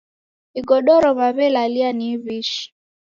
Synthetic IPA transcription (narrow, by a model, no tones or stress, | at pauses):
iɡɔɗɔɾɔβaβɛlalianiβiʃi̥